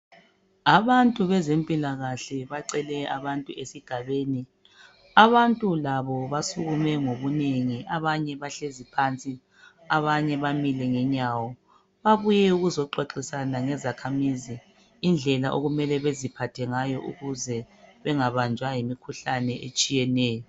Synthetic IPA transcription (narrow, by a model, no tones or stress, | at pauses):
aβantʼuβɛzempʼilaɣaɬɛβaǃɛlɛaβantʼuesiɡ̥ʱaβeːni | aβantʼulaβɔβasuɣumɛŋoβuneŋiʔaβaɲɛβaɬezipʰant͡sʼi | aβaɲɛβamilɛŋɛɲawɔ | βaβujɛuɣuzɔǃwaǃisanaŋɛzakʰamiziː | nd͡ɮʱɛlaʔo̰ɣumɛlɛβezipʰatʰɛŋajɔʔṵɣuzɛβɛŋaβand͡ʒʱwajimikʰuɬanɛʔet͡ʃʼijɛnɛːjɔ